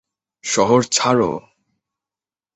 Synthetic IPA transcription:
ʃɔɦoɾt͡ɕʰaɾo̰

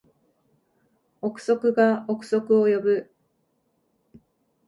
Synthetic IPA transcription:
okɯ̟̥so̞kɯ̟ɡaokɯ̟̥so̞kɯ̟ojo̞bɯ̟

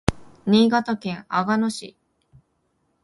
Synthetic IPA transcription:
ɲ̟iːɡat̪akẽ̞ɰaɡano̞ɕḭ

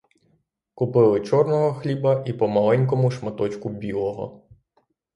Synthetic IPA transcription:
kʊpɪlˠɪt͡ʃɔrnɔɦɔxlʲibɐʔipɔmɐlˠɛnʲk̬ɔmʊʃmɐt̪ɔt͡ʃkʊbʲilˠɔɦɔ̰

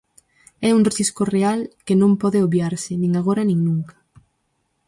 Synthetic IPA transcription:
ɛuŋreθiskorealkenõmpɔðɪoβjaɾsɪnĩŋaɣ̞oɾanĩŋnũŋkḁ

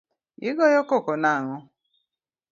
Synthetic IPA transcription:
iɡɔjɔkokonaŋɔ

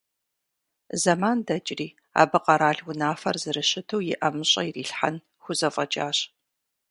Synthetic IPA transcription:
zɐmaːndɐt͡ʃʼriː | a̰ːbɨqʼɐɾaːɮwʊnaːfɐrzɨɾɨɕɪtʰɐwjɪ̰ʔɐmɨɕʼɐjiriːɬħa̰n | xʷʊzɐfʼɐt͡ʃʼaːɕʼ

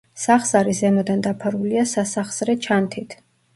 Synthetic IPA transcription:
saχz̥aɾizɛmɔd̪and̪apʰaɾuliasasaχz̥ɾɛt͡ʃʰant̪ʰit̪ʰ

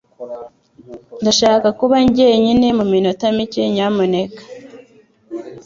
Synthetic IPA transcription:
ndaʃaːkakuβaɲɟe̞ɲine̞muminotamice̞ɲamone̞kḁ

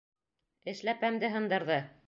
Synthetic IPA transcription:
ɘ̆ʃlæpæmd̪ɘɦɤ̆nd̪ɤ̆ɾðɤ

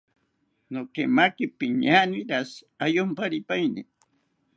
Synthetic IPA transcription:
nokemakɪpiɲaniɾas | ajompaɾipajnḭ

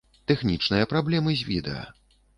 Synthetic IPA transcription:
t̪ɛxnʲit͡ʂnɨjɐpɾablʲɛmɨzʲvʲḭd̪ɛ̰ɐ̰

